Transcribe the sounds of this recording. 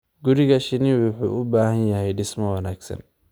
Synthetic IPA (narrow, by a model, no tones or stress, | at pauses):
ɡʊɾɪɣɐʃɪniwʊħṵːʔʊbaːhɐnjɐɦɛjɖɪsmɐwɑnaːɡsɐ̰n